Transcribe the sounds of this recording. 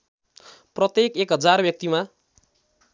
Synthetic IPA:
prʌt̪jekekɦʌd͡zarbjʌk̚t̪ima

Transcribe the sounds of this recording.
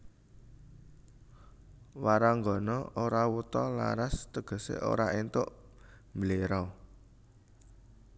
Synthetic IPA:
waɾaŋɡɔnɔʔoɾawut̪ɔla̰ɾast̪əɡ̥ə̤sḛʔo̰ɾaʔent̪ʊʔ | mbəleɾɔ

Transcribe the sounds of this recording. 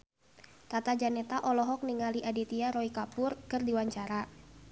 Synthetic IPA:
t̪at̪ad͡ʒanɛt̪aʔɔlɔɦɔk̚niŋaliʔadit̪iaɾɔikapʊrkɨrdiwaɲt͡ʃaɾa

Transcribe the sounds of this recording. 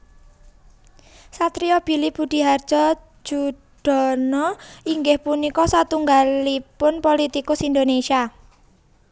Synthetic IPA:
sat̪ɾiɔb̥i̤lib̥ud̪̥i̤ɦard̥ʒ̥ɔ̤̥ | d͡ʒ̥u | ɖ̥ɔ̤nɔiŋɡɪhpunikɔsat̪uŋɡalipʊnpolit̪ikʊsind̪onesia

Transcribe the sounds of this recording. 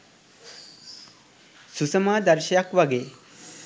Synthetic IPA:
susəmad̪ɐɾʃjakʋaɡe

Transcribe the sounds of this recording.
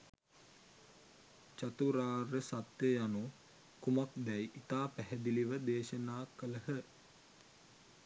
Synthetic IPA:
t͡ʃat̪uɾaːrəsat̪jəjanu | kumakd̪ɛjʔit̪aːpæɦɛd̪iliʋəd̪eːʃənaːkələhə

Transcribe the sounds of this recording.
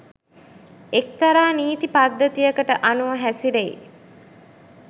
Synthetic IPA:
ek̚t̪aɾaːniːt̪ipad̪ːət̪ijəkəʈəʔanuʋəɦæsiɾeḭ

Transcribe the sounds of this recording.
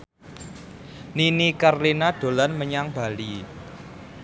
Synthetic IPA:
ninikarlinaɖ̥o̤lanməɲaŋb̥a̤li

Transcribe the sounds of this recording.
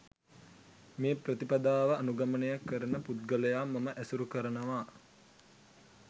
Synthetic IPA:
meːprət̪ipad̪aːʋəanuɡamənəjakːəɾənəput̪̚ɡələjaːmːɐməʔæsuɾukəɾənəʋaː

